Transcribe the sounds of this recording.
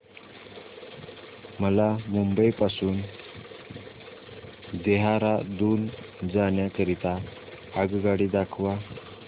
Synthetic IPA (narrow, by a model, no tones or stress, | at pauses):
məlamumbəjpasuːn | d̪eɦaɾad̪uːn | d͡zaɳjakəɾit̪aː | ɡɡaɽiːd̪akʰʋa